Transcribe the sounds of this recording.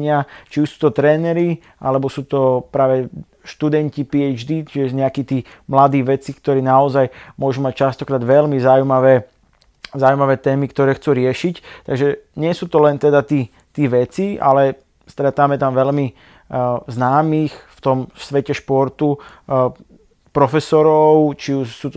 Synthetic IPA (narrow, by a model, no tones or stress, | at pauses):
ɲɪat͡ʃiuʃsu̥ːt̪ɔt̪ɾɛːnɛɾi | ʔa̰lɛbɔsuːt̪ɔpɾaːʋɛ | ʃt̪ud̪ɛncipiɛd͡ʒd̪it͡ʃiɛɲɛakiːt̪iː | mlad̪iːʋɛt͡sikt̪ɔɾiːnaɔzajmʊɔʒumac̚t͡ʃast̪ɔkɾaːd̪ʋɛlmizajumaʋɛː | zaumaʋɛːt̪ɛːmikt̪ɔɾɛːxt͡suɾɪɛʃict̪aɡʒɛɲɪɛsuːt̪ɔlɛnt̪ɛd̪at̪iː | t̪iːʋɛt͡sia̰lɛ | st̪ɾɛt̪aːmɛt̪amʋɛlmi | znaːmiːxft̪ɔmsʋɛcɛʃpɔɾt̪u | pɾɔfɛsɔɾɔʊt͡ʃiuʃsuːt̪ɔ